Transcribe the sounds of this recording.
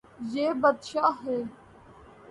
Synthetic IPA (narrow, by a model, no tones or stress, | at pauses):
jeːbəd̪ʃaːɦeː